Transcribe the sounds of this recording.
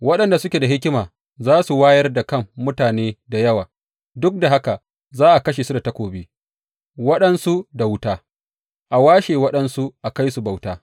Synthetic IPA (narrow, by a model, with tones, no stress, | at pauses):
wɐ˦ɗɐ˨nda˨sʊ˦kʲeː˨da˨ɦɪ˦kʲɪ˦maː˨ | zaː˦su˨waː˦jɐ˦rda˨kɐ˦˨mːʊ˦taː˨neː˦da˨jɐ˦waː˨ | dʊ˦k̚da˨ɦa˦ka˨ | zaː˦ʔa˨kɐ˦ʃ̬eː˨su˦da˨tɐ˦kʷoː˨biː˦ | wɐ˦ɗɐ˦nsu˦da˨wʊ˦taː˦ | ʔa˨waː˦ʃeː˨wɐ˦ɗɐ˦nsu˦ʔa˨ka˦jsu˨ba˨wtaː˦